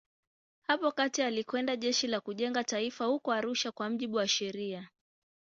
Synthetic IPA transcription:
hapɔkatialikwɛndaʄɛʃilakuʄɛŋɡataifahukɔaɾuʃakwam̩ʄiɓuwaʃɛɾia

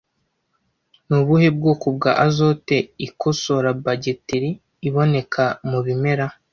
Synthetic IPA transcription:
nuβuheb̚ɡokub̚ɡaʔazo̞te̞ikoso̞ɾabaɟetiɾiː | βo̞ne̞kʰamuβime̞ɾa

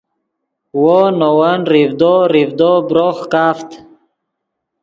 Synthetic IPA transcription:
wonowənɾivd̪oɾivd̪obɾoχkaːft̪

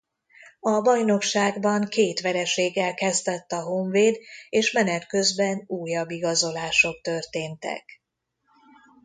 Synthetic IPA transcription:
ɒbɒjno̞kʃaːɡbɒŋkeːt̪ʋɛɾɛʃeːɡːɛlkɛzd̪ɛt̪ːɒɦo̞ɱveːd̪eːʃmɛnɛt̪kø̞zbɛnuːjːɒbːiɡɒzo̞laːʃo̞kt̪ørt̪eːnt̪ɛ̰k

